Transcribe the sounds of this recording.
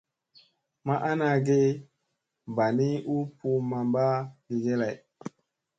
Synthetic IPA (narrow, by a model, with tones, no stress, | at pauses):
ma˦ʔa˦na˨ɡe˦ | ba˨ni˦u˦pu˦ma˨mba˦ɡi˨ɡe˦la˨j